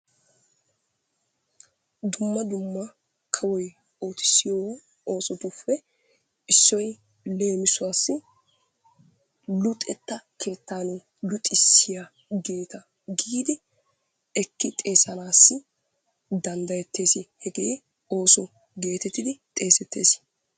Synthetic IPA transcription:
d̪ʊmːɐd̪ʊmːɐ | kʰɐwɔj | o̞ːt̪ɪ̥sːɪjɔw | o̞ːsɔt̪ʊfːɛ | ɪsːɔj | le̞ːmɪsʊwaːsːɪ | lʊt̪ʼɛt̪ːɐkʰe̞ːt̪ːaːnɛ | lʊt̪ʼːɪsːɪja | ɡe̞ːt̪ɐ | ɡiːd̪ɪ | ɛkːɪt̪ʼe̞ːsɐnaːsːɪ | d̪ɐnd̪ɐjɛt̪ːe̞ːsɪhɛɡe̞ː | o̞ːsɔ | ɡe̞ːt̪ɛt̪ːɪd̪ɪt̪ʼe̞ːsɛt̪ːeːs

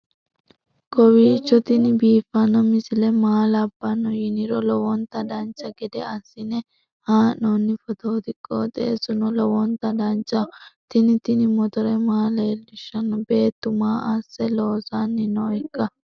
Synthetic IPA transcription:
kɔwiːt͡ʃːɔt̪ɪnɪbiːfɐnɐmɪsɪlɛmaːlɐbːɐnɔjɪnɪɾɔlɔwɔnt̪ɐd̪ɐnt͡ʃːɐɡɛd̪ɛɐsːɪnɛ | haːnonːɪfɔt̪oːt̪ɪkʼːo̰ːt̪ʼḛːsʊnɔlɔwɔnt̪ɐd̪ɐnt͡ʃːɐt̪ɪnɪt̪ɪnɪmɔt̪ɔɾɛmaːleːlɪʃːɐnɔbe̞ːt̪ːʊmaːʔɐsːɛloːsanːɪnɔɪkːɐ

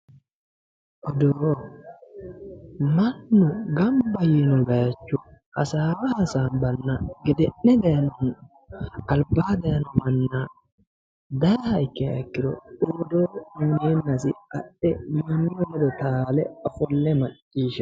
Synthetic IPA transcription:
ʔɔd̪oː | mɐnːʊɡɐmbɐjɛnɔbɐjɐt͡ʃːʊhɐ̰saːɾɐhɐsaːnbɐnːɐɡɛd̪ɛnːɛd̪ɐjɐnɔn | ɐlbaːd̪ɐjɐnɔmɐnːa | d̪ɐjhɐɪkːɛɐkːɪɾɔ̰ɗoːd̪oːnuːneːnːɐs̬ɪ̰ɐ̰ɗːɛmɐnːɔnɛd̪ɔt̪aːlɛɔfɔlːɛmɐt͡ʃʼːiːʃɐ

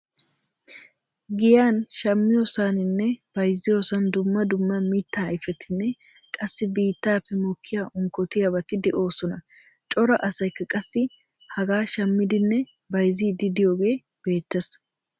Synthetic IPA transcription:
ɡɪjaːnʃɐmːɪjoːsaːnɪnːɛb̥ɐjzːɪjo̞ːsɐnd̪ʊmːɐd̪ʊmːɐmiːt̪ːaːɐjfɛt̪ʰɪnːɛ | kʼɐsːɪbiːt̪ːaːpːɛmɔkʰːɪjaʔʊŋkːɔt̪ɪjɐbɐt̪ɪd̪ɛʔo̞ːsɔnɐ | t͡ʃʼɔɾɐʔɐsɐjkːɐkʼɐsːɪ | hɐɡaːʃɐmːɪd̪ɪnːɛ | bɐjziːd̪ɪd̪ɪjo̞ːɡe̞ː | b̥e̞ːt̪ːɐs

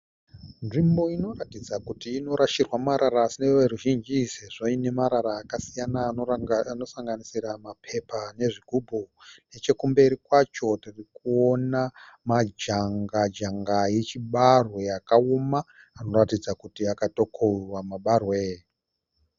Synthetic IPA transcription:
nʐimbo̞ino̞ratid͡zakutiːno̞ɾaʃirwamaɾaɾaːsineweɾuʒind͡ʒiseʐoine̞maɾaɾaːkasijanaano̞saŋɡanisiɾamapʰe̞pane̞ʐiɡʱubʱone̞t͡ʃe̞kumbe̞ɾikwat͡ʃo̞tirikuonamad͡ʒaŋɡad͡ʒaŋɡaje̞t͡ʃiɓarwejakaumaː | no̞ratid͡zakutiakato̞kʰorwamaɓarweː

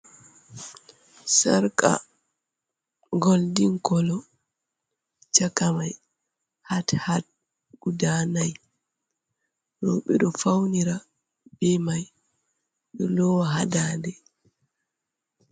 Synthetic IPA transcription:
saɾka̰ | ɡoldiŋkɔlɔ | t͡ʃakamaj | hathat̚ | ɡ̥udanaj | ɾɔɓɛɗɔfawniɾa | b̥ɛmaj | ɗɔlɔwaɦadadɛ

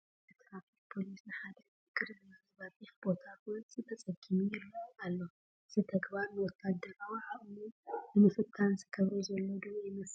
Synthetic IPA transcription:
t̪ʰɨkfafipʰo̞lisnɨħad̪ɐ | ɨɡɨɾzɨmazbabʼixb̥o̞t̪ʰawʊnt͡sʼɨt̪ʰɐt͡sʼɐɡɨmujɪlːɐwalːo̞ | zɨt̪ʰɐɡbaɾnɨwɔt̪ʰːad̪ːɐɾawiʕaʔmunɨmɨfɨt̪ʰːanzɨkʰɐβɐjzɐlːod̪ɨβjɪmɐs

